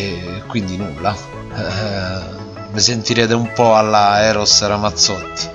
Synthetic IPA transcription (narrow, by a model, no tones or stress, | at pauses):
kwind̪inulːa | mɪsent̪iɾɛːt̪̬eumpɔalːaɛːɾɔsːɾamat̪sːɔt̪ː